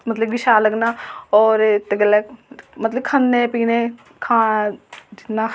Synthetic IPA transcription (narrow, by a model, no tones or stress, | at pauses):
mət̪ləb̚ɡɪʃaːləɡnaːɔːɾt̪eɡəlːɛːmət̪ləb̚kʰənːẽːpiːnẽː | kʰãːd͡ʒɪnaː